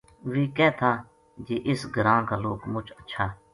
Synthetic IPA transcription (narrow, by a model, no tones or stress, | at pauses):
ʋiːkɛːt̪ʰãː | d͡ʒeːʔɪsɡəɾãːkaːloːkmʊt͡ʃətːʃʰaː